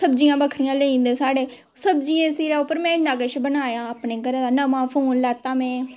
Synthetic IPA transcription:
səbd͡ʒijãːbəkʰɾijãːləĩːnd̪ẽːsaːɽeː | səbd͡ʒijẽːsiːɾaːopəɾmɛ̃ːnaɡət͡ʃbənaːjãːəpnẽːɡəɾːd̪aːnəmãːpʰoːnlaːt̪ːãːmɛ̃ː

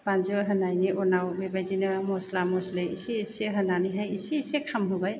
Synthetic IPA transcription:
b̥anzɔɦənajniʔɔnawbebajdinɯmɔslamɔslɯjisiːseɦənaniɦajisiːsekʰamɦubaj

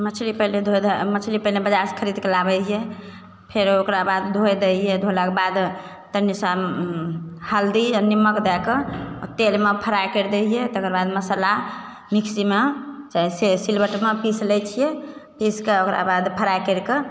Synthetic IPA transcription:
mət͡ʃʰlipəɦled̪ʱod̪mət͡ʃʰlipəɦlebəd͡ʒaskʰəɾid̪kelabɛt͡ʃʰije | pʰeɾokɾabad̪d̪ʱojd̪ɛɛd̪ʱolakebad̪ | t̪ənisa | həld̪inimːəkd̪ɛkət̪elmepʰəɾajkəɾd̪ɛjet̪əkəɾbad̪məsəla | mikʰsimet͡ʃaɦisesilbəʈmepislɛt͡ʃʰijepiskeokɾa̰bad̪pʰəɾajkəɾke

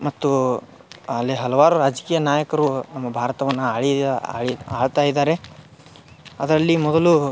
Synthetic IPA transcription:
mɐt̪ːu | alːeɦɐlɐʋaːɾuɾaːd͡ʒkiːjɐnaːjɐkɐɾunɐmːɐbʱaːɾɐt̪ɐʋɐnːuaːɭia̰ːɭiaːɭt̪aːjid̪aːɾe̞ | ɐd̪ɐɾɐlːimɔd̪ɐlu

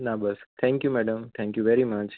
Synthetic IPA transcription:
nabɐst̪ʰɛ̃ŋkjumɛɖə̃mt̪ʰɛ̃ŋkjuʋɛɾimɐt͡ʃ

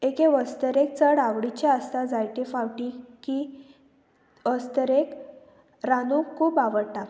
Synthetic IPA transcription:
ekeʋəst̪əɾek̚t͡səɽaʋɽit͡ɕeəst̪ad͡zajʈefawʈiki | ʋəst̪əɾek | ɾanukʰuːpaʋəɽt̪a

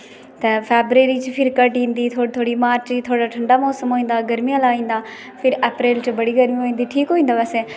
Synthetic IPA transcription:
t̪ɐpʰeːbɾeːɾiːt͡ʃɪpʰɪɾkəʈĩːnd̪iːt̪ʰoːt̪ʰoːɽimaːɾt͡ʃt̪ʰoːɽaːʈʰəɳɖaːmɔːsəmɦoːĩːn̆d̪aːɡəɾmijalaːĩːnd̪aː | pʰɪɾeːpɾeːlt͡ʃɪbəɽiːɡəɾmioːĩːn̆d̪iːʈʰiːkɦoːĩːnd̪aʋɛːsẽː

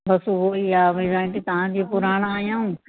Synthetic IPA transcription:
bɐsuɦoiaːʋɪzaːɪʈit̪ɐʋ̤ãd͡ʑiːpʊɾaːɽ̃aːjãːũː

